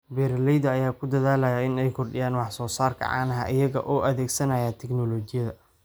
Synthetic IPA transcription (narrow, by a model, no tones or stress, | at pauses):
bɛːɾlɛjd̪ɐɐjaːkʰʊd̪ɐðaːlɐjaɪnɛjkʰʊrɖɪjaːnwɑħsɔːsaːrkʰɐ̰ʕɑ̰ːnɐɦɐʔɪjɐɣɐ̰ʔɔːʔɐðɛːɡsɐnɐjaːt̪ʰɛɡnɔlɔːt͡ʃɪjɐðɐ